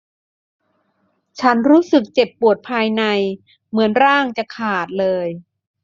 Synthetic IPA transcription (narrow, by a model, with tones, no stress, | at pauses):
t͡ɕʰa˦˥nɾuː˦˥sɯ˨˩k̚t͡ɕe˨˩pːu˨˩ət̪̚pʰaː˧jna˧j | mɯ˩˦ənɾaː˥˩ŋt͡ɕa˨˩kʰaː˨˩t̪̚lɤː˧j